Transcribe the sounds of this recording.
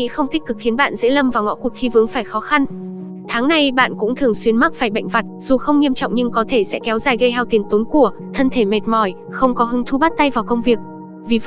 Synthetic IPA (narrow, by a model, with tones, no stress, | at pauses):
ḭ˧˥xə˧wŋ͡mt̪i˦˥k̟̚kɨ˨˩k̚xi˨˦ənɓa̰ː˧˨nzḛ˧˥lə˧mvaː˨˩wŋɔ̰˧˥kʊ˨˩k̚xi˧vɨ˨˦əŋfaː˧˩jxɔ˨˦xa˧n | t̪ʰaː˨˦ŋna˨˧jɓa̰ː˧˨nkʊ̰˧˥ŋ͡mt̪ʰɨ˨˩əŋswi˧ənma˦˥faː˧˩jɓa̰˧˨jŋ̟va˨˩t̚z̥u˨˩xə˧wŋ͡mŋi˧əmt͡ɕɔ̰˧˨wŋ͡mɲɨ˧ŋkɔ˨˦t̪ʰe˧˩sɛ̰˧˥kɛ˨˦wzaː˨˩jɣə˧jɦaː˧wt̪i˨˩əŋt̪o˨˦nku˧˩ət̪ʰə˧nt̪ʰe˧˩me˨˩t̚mɔ˧˩j | xə˧wŋ͡mkɔ˨˦ɦɨ˨˦ŋt̪ʰu˧ɓa˦˥t̚t̪a˧jvaː˨˩wkə˧wŋ͡mvi˨˩ək̚ | vi˨˩v